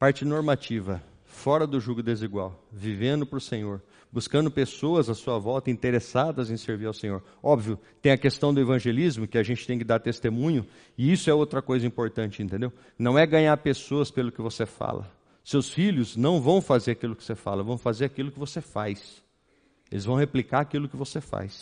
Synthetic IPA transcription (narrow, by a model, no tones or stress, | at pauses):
paɾt͡ʃɪnoɾmat͡ʃivɐ | fɔɾɐd̪ʊʒuɡʊd̪eziɡwawvivẽnd̪ʊpɾʊsẽɲoɾ | buskɐ̃nd̪ʊpesoɐzɐsuɐvɔwt̪ɐĩt̪eɾesad̪ɐzẽj̃seɾviɾawsẽɲoɾ | ɔbviʊt̪ẽj̃ɐkest̪ɐ̃w̃d̪ʊevɐ̃ʒelizmʊkɪaʒẽnt͡ʃɪt̪ẽj̃kɪd̪aɾt̪est̪emũɲʊ | ɪisʊɛowt̪ɾɐkojzɐĩmpoɾt̪ɐ̃nt͡ʃɪẽnt̪ẽnd̪ew | nɐ̃w̃ɛɡɐ̃ɲaɾpesoɐspelʊkɪvosefa̰lɐ̰ | sewsfiʎʊznɐ̃w̃vɐ̃w̃fazeɾakilʊkɪ̥sefa̰lɐvɐ̃w̃fazeɾakilʊkɪvosefa̰js | elɪzvɐ̃w̃heplikaɾakilʊkɪvosefa̰js